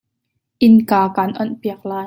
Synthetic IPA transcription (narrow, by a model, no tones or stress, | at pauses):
ʔɪnkaːkaːnʔɔnpiɐk̚laːj